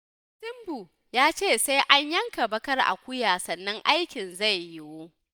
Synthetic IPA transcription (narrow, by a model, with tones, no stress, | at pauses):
sɪ˦mbu˨ | jaː˦t͡ʃeː˦˨sa˦jʔa˦ɲjɐ˦ŋka˨bɐ˦kɐ˦rʔa̰˨kʷʊ˦jaː˨sɐ˨nːɐ˦ŋʔa˦jkʲɪ˨nza˦˨jːɪ˦woː˦